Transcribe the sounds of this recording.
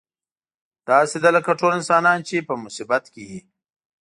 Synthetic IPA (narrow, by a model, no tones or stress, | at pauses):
d̪̥ɑsed̪aləkaʈolɪnsɑːnɑːnt͡ʃepəmʊsibat̪keji